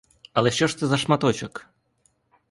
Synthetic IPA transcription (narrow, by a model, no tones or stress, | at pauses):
ɐlˠɛʃʲt͡ɕɔʂt̪ɨzɐʂmat̪ɔt͡ʃɐk